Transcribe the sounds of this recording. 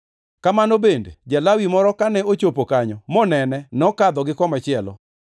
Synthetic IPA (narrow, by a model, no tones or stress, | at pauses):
kamanobendḛd͡ʒalawimɔɾɔkanɛot͡ʃopokaɲɔmɔnɛnɛnɔkad̪ɔɡɪkɔmat͡ʃɪɛlɔ̰